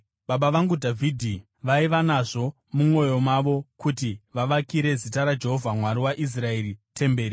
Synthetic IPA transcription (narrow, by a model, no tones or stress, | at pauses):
ɓaɓaʋaŋɡudʱavʱidʱi | ʋaiʋanaʐo̞ | mumwo̞jo̞maʋo̞kutiʋaʋakiɾe̞zitaɾad͡ʒe̞ɦo̞vʱamwaɾiwaʔis̬rae̞ɾite̞mbe̞ːɾi